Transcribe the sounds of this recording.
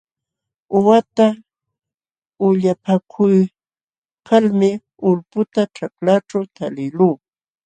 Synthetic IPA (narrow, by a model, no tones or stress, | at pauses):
ʊwat̪a | ʊʎapakʰʊj | kʰalmɪ | ʊlpʊt̪aʈ͡ʂaklaʈ͡ʂawt̪alɪluː